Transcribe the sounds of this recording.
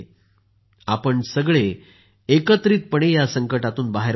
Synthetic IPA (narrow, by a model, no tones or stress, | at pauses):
apəɳsəɡɭe | ekət̪ɾiːt̪̚pəɳ̃ejasəŋkəʈat̪uːnbaɦeɾ